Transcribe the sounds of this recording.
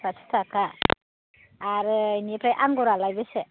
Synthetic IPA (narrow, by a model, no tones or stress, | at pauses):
atʰi̥tʰaka | ɾɯnepʰɾajʔaŋɡɔɾalajbese